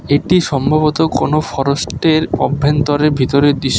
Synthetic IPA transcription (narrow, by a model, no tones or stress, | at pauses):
eʈiʃɔmbʱaβot̪okonofɔɾosʈeɾɔ̰bʱːent̪ɔɾebʱit̪oɾed̪iʃ